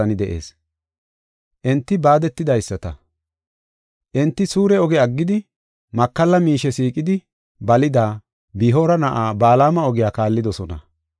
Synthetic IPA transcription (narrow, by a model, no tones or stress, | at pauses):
ɐnɪd̪ɛʔḛːs | ʔɛnt̪ːɪbaːd̪ɛt̪ːɪd̪ɐjsːɐt̪ɐ | ʔɛnt̪ːɪsuːɾɛɔɡɛɐɡːɪd̪ɪ | mɐkːɐlːɐmiːʃɛsiːkʼɪd̪ɪ | bɐlɪd̪aː | biːɦoːɾɐnɐʔaːbaːlaːmɐɔɡɪjaːkaːlːɪd̪ɔsɔnɐ̰